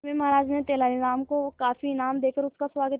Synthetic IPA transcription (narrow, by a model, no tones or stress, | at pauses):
mẽmɐɦɾaːd͡ʒnẽt̪eːlaːɾinaːmkokaːfinaːmd̪eːkəɾʊskaswaːɡət̪